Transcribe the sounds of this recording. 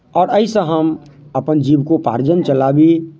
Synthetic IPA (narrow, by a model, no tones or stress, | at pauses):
ɔːɾəisə̃ɦəm | əpənd͡ʒiːbkopa̰ːɾd͡ʒənt͡ʃəlaːbi